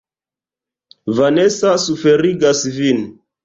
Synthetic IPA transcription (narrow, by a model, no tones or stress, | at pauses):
vanesasufeɾiɡasvin